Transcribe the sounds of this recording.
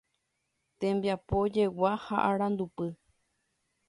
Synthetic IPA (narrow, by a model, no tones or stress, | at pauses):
t̪ẽ̞mbjapo̞d͡ʒe̞wahaʔaɾãnd̪upɨ